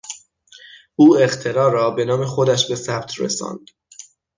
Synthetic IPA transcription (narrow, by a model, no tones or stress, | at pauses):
ʔuːe̞χt̪ʰe̞ɾɒːɾɒːbe̞nɒːme̞xo̞d̪æʃbe̞sæbt̪ʰrḛsɒ̰ːnd̪̥